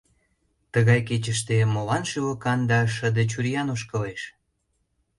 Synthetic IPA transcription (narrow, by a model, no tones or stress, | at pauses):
t̪əɣɑjket͡ɕəʃt̪emolɑnʃylə̆kɑnd̪ɑʃəd̪et͡ɕuɾjɑnoʃkəleʃ